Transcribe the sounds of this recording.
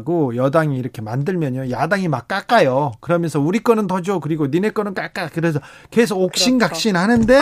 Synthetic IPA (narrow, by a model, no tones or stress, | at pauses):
ɡojʌdaŋiːɾʌkʰe̞mandɯɭmjʌɲojadaŋimak̚k͈ak͈ajokɯɾʌmjʌnsʰʌuɾik͈ʌnɯntʌd͡ʑokɯɾiɡonine̞k͈ʌnɯnk͈ak͈akɯɾe̞s̬ʰʌ | ke̞sʰoɡok̚ɕ͈inɡak̚ɕ͈inɦanɯnde̞